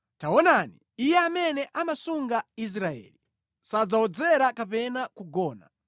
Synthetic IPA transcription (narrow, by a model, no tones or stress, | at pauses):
taɔnani | ijɛamɛnɛʔamasuŋɡais̬ɾaɛ̰ːli | sad͡zaɔd͡zɛɾakapɛnakuɡɔːna̰